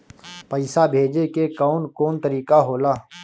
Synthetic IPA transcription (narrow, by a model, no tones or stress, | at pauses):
pəɪsabʱeːd͡ʒekekaːnkoːnt̪əɾiːkaɦoːlaː